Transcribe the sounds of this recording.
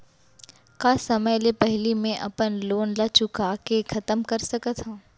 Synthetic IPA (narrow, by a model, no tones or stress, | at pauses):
kaːsɐməjlepɛɦlimẽʔɐpənloːnlɐt͡ʃʊkakekʰɐt̪əmkɐɾsɐkət̪ɦãː